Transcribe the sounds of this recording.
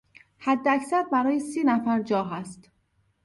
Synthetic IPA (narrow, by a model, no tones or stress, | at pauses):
hæd̪ːeæcsæɾbæɾɒːjesiːnæfæɾd͡ʒɒːɦæst̪